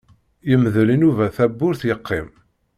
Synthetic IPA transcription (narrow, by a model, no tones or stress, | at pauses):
jəmðlinuvæθæbːʊɾθjəqːim